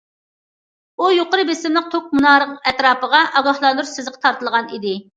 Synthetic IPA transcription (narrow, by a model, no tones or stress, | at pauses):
ujoqəɾɨbesɪmlˠɨq̚t̪ʰok̚munɑːɾəqɛt̪ɾɑːpəʁɑʔɑɡɑhlˠɑnd̪uɾsɪzqʰə̥t̪ʰɑɾt̪əlˠʁɑnid̪ɪ